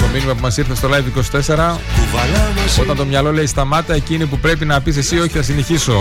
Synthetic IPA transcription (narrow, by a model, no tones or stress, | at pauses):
t̪o̞minimɐpumɐsiɾθest̪olɐiðiko̞si̥t̪e̞se̞ɾɐkuvɐlɐɐso̞t̪ɐnt̪o̞mɲɐlo̞le̞ist̪ɐmɐt̪ɐecinipupɾe̞pinɐpise̞sio̞çiθnɐsine̞çiso̞